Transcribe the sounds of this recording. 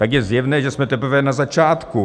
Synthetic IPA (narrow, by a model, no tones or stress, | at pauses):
t̪aɡjɛzjɛvnɛːʒɛsmɛt̪ɛpɾ̩vɛnazat͡ʃaːt̪ku